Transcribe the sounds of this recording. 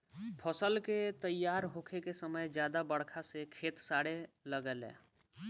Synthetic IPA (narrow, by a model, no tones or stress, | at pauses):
pʰəsəlket̪əjːaːɾɦoːkʰekesəməjd͡ʒjaːd̪abəɽkʰasekʰeːt̪saːɽeləɡəlḛ̃ː